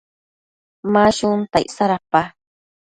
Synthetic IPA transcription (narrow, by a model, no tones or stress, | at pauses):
maʃʊnt̪a̰jʔsaɾapa